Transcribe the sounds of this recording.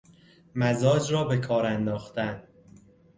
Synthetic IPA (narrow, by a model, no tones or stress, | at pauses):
mæzɒːd͡ʒɾɒːbe̞kʰɒːɾænd̪ɒːxt̪æn